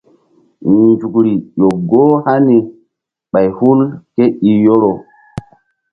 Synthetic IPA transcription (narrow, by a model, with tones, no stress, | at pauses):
n˨nd͡ʒu˨kɾi˨jo˨ɡo˦ha˦ni˨ | ɓa˨jhu˦lke˦i˨jo˦ɾo˨